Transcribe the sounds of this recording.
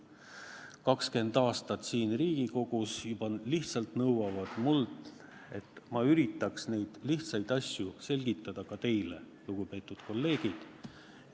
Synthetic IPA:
kɑkske̞nd̪̥ɑːst̪ɑt̪siːnriːɡ̥iko̞ɡ̥usjubɑliht̪sɑlt̪nɤwɑvɑd̪̥muld̪ | e̞̰t̪ːˑmɑyɾit̪ːˑɑksne̞jd̪̥liht̪sɑjd̪̥ɑsʲjuse̞lʲɡ̥it̪ːˑɑd̪̥ɑkɑt̪e̞jle̞̰ | luɡ̥upe̞ːt̪ːˑud̪̥ko̞lːe̞ːɡ̥id̪̥

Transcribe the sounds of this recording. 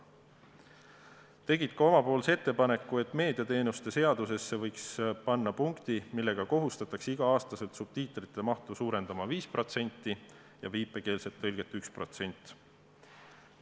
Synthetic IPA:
t̪e̞ɡit̪kɑo̞mɑpo̞ːlse̞t̪ːepɑne̞kːˑue̞t̪ːˑme̞ːd̪iɑt̪e̞ːnust̪e̞se̞ɑd̪̥use̞sːe̞vɤjkspɑnːɑpuŋkt̪imilːe̞ɡ̥ɑko̞ɦust̪ɑt̪ːˑɑksiɡ̥ɑɑːst̪ɑse̞lt̪sub̥̚t̪iːt̪ːˑɾit̪ˑːe̞mɑht̪usuːɾe̞nd̪ɑmɑviːspro̞t̪se̞nʲt̪ˑːi | jɑviːpːˑe̞ke̞ːlse̞t̪ːɤlʲɡ̥e̞t̪ːˑykspro̞t̪se̞nʲt̪ːˑ

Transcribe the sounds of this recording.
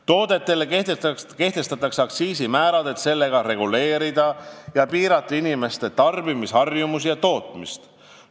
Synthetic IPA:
t̪o̞ːd̪̥e̞t̪ːe̞lːeket̪ke̞ht̪e̞st̪ɑt̪ːˑɑksɑksiːsimæːɾɑd̪̥e̞t̪se̞lːe̞ɡ̥ɑɾe̞ɡule̞ːɾid̪̥ɑjɑpiːɾɑt̪ːˑɑinime̞st̪e̞t̪ɑrbimisɑrjumusijɑt̪o̞ːt̪ˑmḭst̪

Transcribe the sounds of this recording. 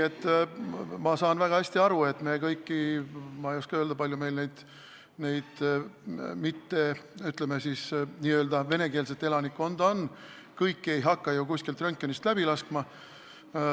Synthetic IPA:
ne̞t̪ˑː | mɑsɑːnvæɡ̥ɑhæsʲt̪iɑɾue̞t̪ːmekɤjkːimɑejoskɑøld̪̥ɑpɑlʲjume̞jlnejd̪̥ | ne̞jd̪̥ | mit̪ːe̞yt̪lemesisniːøld̪̥ɑve̞ne̞keːls̬e̞t̪ːˑe̞lɑnikːˑo̞nd̪o̞n | kɤjkːe̞jɦɑkːɑjukusʲkilt̪ronkʲːˑonist̪læb̥ilɑskmɑ

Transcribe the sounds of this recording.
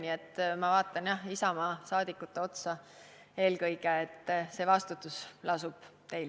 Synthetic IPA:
niet̪ːmɑvɑːt̪ːˑɑnjɑhisɑmɑːsɑːd̪̥ikːˑut̪ːeo̞t̪sɑ | e̞ːlkɤjɡ̥eːt̪ːˑse̞ːvɑst̪ut̪ːˑuslʔɑsub̥ | t̪e̞jl

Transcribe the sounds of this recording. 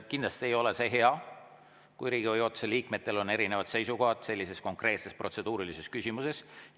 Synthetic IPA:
kinlɑst̪ie̞jo̞lese̞ɦe̞ɑ | kujɾiːɡ̥iojo̞ːt̪ːseliːkme̞t̪ːˑe̞lo̞ne̞ɾine̞vɑd̪se̞jsuko̞ɦɑd̪̥se̞lʲːise̞sko̞ŋkre̞ːt̪se̞spro̞t̪se̞d̪̥uːɾilise̞skysʲimuse̞s

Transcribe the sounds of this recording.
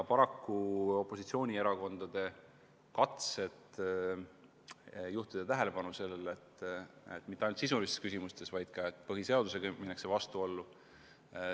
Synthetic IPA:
pɑɾɑkːuo̞pːˑo̞sit̪sio̞ːnʲieɾɑko̞nd̪̥ɑd̪̥e̞ | kɑt̪se̞t̪ | juht̪id̪̥e̞t̪æɦe̞le̞pɑnuse̞lːele̞t̪ːet̪ːˑmit̪ːeɑjnult̪sis̬ulist̪eskysimust̪e̞svɑjd̪̥̚kɑe̞t̪ːˑpɤɦise̞ɑd̪usekminːeksevɑst̪uo̞lːu

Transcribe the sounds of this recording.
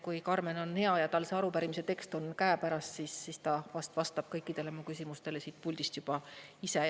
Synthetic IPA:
kujkɑrme̞no̞nhe̞ɑjɑt̪ɑlse̞ɑɾupæɾimise̞t̪e̞kst̪o̞nkæepæɾɑssisːiːst̪ɑvɑst̪vɑst̪ɑb̥kɤjkːˑid̪̥e̞le̞mukysʲimust̪e̞le̞sit̪̚pulʲd̪̥ist̪jub̥ɑise̞

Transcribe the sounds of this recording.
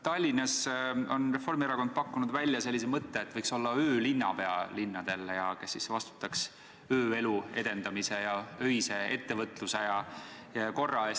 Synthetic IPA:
t̪ɑlʲːinɑso̞̰nre̞fo̞rmieɾɑko̞nd̪̚pɑkːunud̪vælʲːjɑse̞lːis̬emɤt̪ːe̞ːt̪ːvɤjkso̞lːɑøːlinːɑpe̞ɑ̰linːɑd̪̥e̞lːejɑke̞sːisvɑst̪u̥t̪ːˑɑks | ø̞ːe̞lue̞̰d̪̥e̞nd̪̥ɑmise̞jɑø̞jse̞e̞t̪ːe̞vɤt̪ːˑluse̞jɑ | ko̞rːɑes

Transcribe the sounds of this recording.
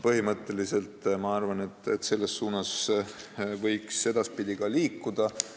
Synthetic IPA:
pɤɦimɤt̪ːˑe̞lise̞lt̪ˑmɑɑrvɑne̞t̪ːˑet̪ːse̞lːe̞sːuːnɑs | vɤjkse̞d̪̥ɑspid̪iɡ̥ɑliːkːud̪̥ɑ

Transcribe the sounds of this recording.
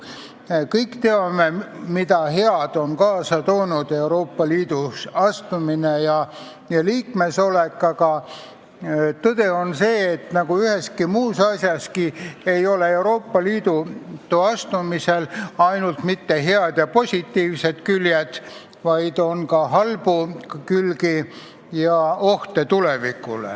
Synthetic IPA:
kɤjkt̪eɑme̞mid̪ɑɦeɑd̪̥o̞nkɑːsɑt̪oːnud̪̥e̞uwɾo̞ːpːɑliːd̪̥usɑst̪uminejɑ | jɑliːkme̞so̞lekːˑɑkɑ | t̪ɤd̪̥e̞o̞nse̞ːt̪nɑɡ̥uyhe̞skimuːsɑsjɑskie̞jo̞le̞e̞uɾo̞ːpːɑliːd̪̥ut̪ːuɑst̪umise̞lɑjnult̪mit̪ːe̞ɦeɑd̪̥jɑpo̞sʲit̪ːiːvse̞d̪̥kyljed̪̥ | vɑjd̪̥o̞nkɑɦɑlb̥ukylki | jɑo̞ht̪e̞t̪ule̞vikːˑulḛ

